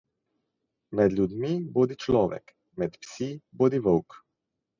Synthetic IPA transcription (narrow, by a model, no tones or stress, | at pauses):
mɛd̪lʲjud̪miboːd̪it͡ʃlɔːʋɛ̰k | mɛt̪psiboːd̪iʋəwk